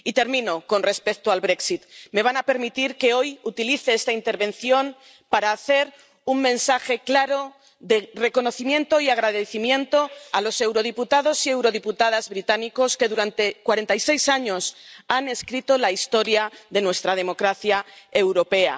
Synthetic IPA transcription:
it̪e̞ɾmĩno̞ko̞nre̞spek̚t̪oalβɾe̞ksit̪me̞β̞anape̞ɾmit̪iɾke̞o̞jut̪iliθe̞est̪aint̪e̞ɾβẽ̞nθjo̞m | paɾaːθe̞ɾ | uŋmẽ̞nsaxe̞klaɾo̞ | ðe̞re̞ko̞no̞θimjẽ̞nt̪o̞iaɣ̞ɾaðeθimjẽ̞nt̪o̞alo̞se̞wɾo̞ð̞iput̪aðo̞sie̞wɾo̞ðiput̪að̞azβɾit̪aniko̞ske̞ðuɾant̪e̞kwaɾe̞nt̪ajse̞jsaɲo̞sane̞skɾit̪o̞laist̪o̞ɾjaðe̞nwe̞st̪ɾað̞e̞mo̞kɾaθjae̞wɾo̞pe̞a̰

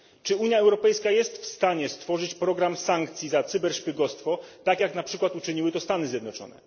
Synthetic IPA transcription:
t͡ʂɘuɲjaɛwɾɔpɛjskajɛst̪fst̪aɲɛst̪fɔʐɘt͡ɕpɾɔɡɾamsaŋkt̪sʲjizat̪sɘbɛɾʂpʲiɡɔst̪fɔt̪akʲjaknapʂɘkwat̪ut͡ʂɘɲiwɘt̪ɔst̪anɘzʲjɛd̪nɔt͡ʂɔ̰nɛ̰

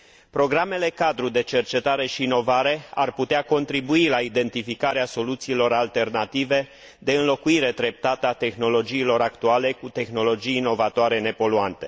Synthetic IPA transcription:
pɾo̞ɡɾame̞le̞kad̪ɾud̪e̞t͡ʃe̞rt͡ʃe̞t̪aɾe̞ʃiːno̞vaɾe̞a̰rput̪eako̞nt̪ɾibuilaid̪e̞nt̪ifikaɾeaso̞lut̪siːlo̞ɾalt̪e̞rnat̪ive̞ | d̪e̞ɨnlo̞kuiɾe̞d̪ɾe̞p̚t̪at̪əat̪e̞xno̞lo̞d͡ʒiːlo̞ɾakt̪uale̞kut̪e̞xno̞lo̞d͡ʒijːno̞vat̪oaɾe̞ne̞po̞luant̪e̞

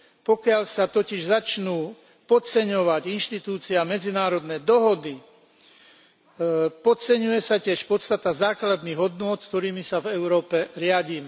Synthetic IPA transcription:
pɔkɪaʎsat̪ɔciʒzat͡ʃnuː | pɔt͡sɛɲɔʋaɟinʃt̪it̪uːt͡siamɛd͡zinaːɾɔd̪nɛd̪ɔɦɔd̪i | pɔt͡sɛɲujɛsacɪɛʃpɔt̪st̪at̪azaːklad̪niɣɦɔd̪nʊɔt̪kt̪ɔɾiːmisavɛʊɾɔːpɛɾɪaɟiːmɛ

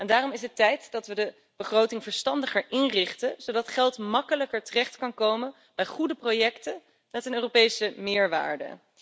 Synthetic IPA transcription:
ɛndaːrɔmɪsɦətɛjtdɑtʋədə | b̥əχrowtɪŋvəɹstɑndəχəɹʔɪnrɪχtəzowdɑtχɛlˠtmɑkələkəɹtərɛχtkɑnkowmən | bɛjχudəprojɛktən | mɛtənøːropejsəmɪːɹʋa̰ːɹdə̰

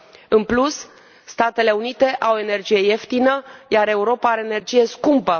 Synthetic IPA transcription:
ɨnplus | st̪at̪e̞le̞unit̪e̞ʔawe̞ne̞rd͡ʒije̞je̞ft̪inəjaɾe̞uɾo̞paaɾeːne̞rd͡ʒije̞skumpə

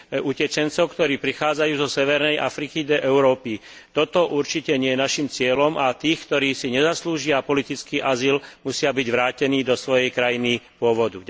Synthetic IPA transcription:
ʔucɛt͡ʃɛnt͡sɔʊkt̪ɔɾiːpɾixaːd͡zajuːzɔsɛʋɛɾnɛjʔa̰fɾikid̪ɔʔɛʊɾɔːpi | t̪ɔt̪ɔʔuɾt͡ʃicɛɲɪɛjɛnaʃimt͡sɪɛlɔmʔat̪iːxkt̪ɔɾiːsiɲɛzasluːʒɪapɔlit̪it͡skiːʔazilmusɪabiɟʋɾaːcɛniːd̪ɔsʋɔjɛjkɾajinipʊɔʋɔd̪u

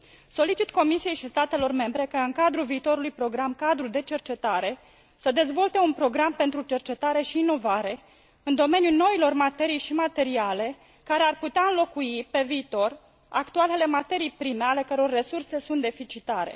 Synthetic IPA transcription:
so̞lit͡ʃit̪ko̞misije̞jʃist̪at̪e̞lo̞rme̞mbɾe̞kəɨŋkad̪ɾulviːt̪o̞ɾulujpɾo̞ɡɾamkad̪ɾud̪e̞t͡ʃe̞rt͡ʃe̞t̪aɾe̞ | səd̪e̞zvo̞lt̪e̞unpɾo̞ɡɾampe̞nt̪ɾut͡ʃe̞rt͡ʃe̞t̪aɾe̞ʃiːno̞vaɾe̞ | ɨnd̪o̞me̞njuno̞ilo̞rmat̪e̞ɾijʃimat̪e̞ɾiale̞ | kaɾe̞arput̪eaɨnlo̞kuipe̞viːt̪o̞r | akt̪uale̞le̞mat̪e̞ɾijpɾime̞ale̞kəɾeo̞rːe̞surse̞sunt̪̚d̪e̞fit͡ʃit̪aɾe̞̰

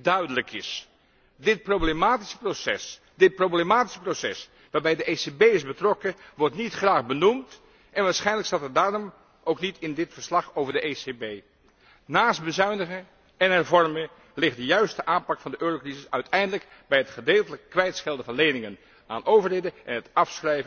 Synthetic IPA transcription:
dœɥdələkɪ̰s | dɪt̚prowblemaːti̥sə̥prosɛ̰s | d̥ɪt̚prowblemaːti̥sə̥prosɛ̰s | ʋaːɹbɛjdəʔesebejɪzbətrɔkəʋɔɹtnitχraːχbənumt | ʔɛnʋaːɹsχɛjnləkstaːtədaːrɔm | ʔowknitɪndɪtfəɹslɑχowvəɹdəʔesebej | naːst̚bəzœɥndəχə | ɛnɦɛɹvɔɹmə | lɪχt̚dəjœɥstəʔaːnpɑkfɑndəʔøːrowkrizɪsœɥtʰɛjndələk | bɛjɦətχədeːlˠtələkkːʋɛjtsχɛlˠdəvɑnlejnɪŋən | a̰ːnʔowvəɹejdəɛ̰nɦətɑfsχrɛjvə

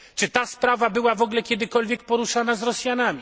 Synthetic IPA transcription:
t͡ʂɘt̪aspɾavabɘwavɔɡlɛkʲjɛd̪ɘkɔlvʲjɛk̚pɔɾuʂanazɾɔsʲjanamʲi

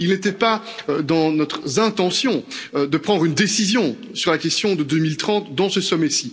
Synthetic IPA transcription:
ilnet̪ɛpad̪ɑ̃nɔt̪χzɛ̃t̪ɑ̃sjɔ̃ød̪əpχɑ̃d̪ʁynd̪esizjɔ̃ | syʁlakʲɛst̪jɔ̃d̪əd̪ømilt̪χɑ̃t̪d̪ɑ̃səsɔmɛsi

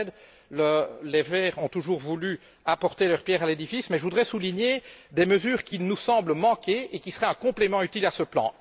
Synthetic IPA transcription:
d̪ | ləlevɛːʁɔ̃t̪uʒuːʁvuly | apɔʁt̪elœʁpjɛʁaled̪ifismɛʒəvud̪ʁɛsuliɲed̪eməzyːʁkʲilnusɑ̃bləmɑ̃kʲeekʲisəʁɛɛ̃kɔ̃plɛmɑ̃yt̪ilasəplɑ̰̃

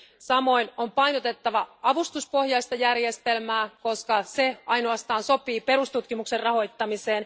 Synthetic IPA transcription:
sɑmo̞jno̞mpɑjnot̪e̞t̪ːɑʋɑɑʋust̪uspo̞hjɑjst̪ɑjærje̞st̪e̞lmæːko̞skɑse̞ʔɑjno̞ɑst̪ɑːnso̞piːpe̞ɾust̪ut̪kimukserrɑɦo̞jt̪ːɑmise̞ːn

